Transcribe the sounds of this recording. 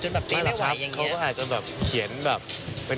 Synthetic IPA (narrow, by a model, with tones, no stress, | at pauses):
ɛː˨˩ma˥˩lːʰa˦˥˩kʰa˦˥wkɔː˥˩ʔaː˨˩t͡ɕa˨˩bɛː˨˩p̚kʰi˩˦ənbɛː˨˩p̚ː | e˧n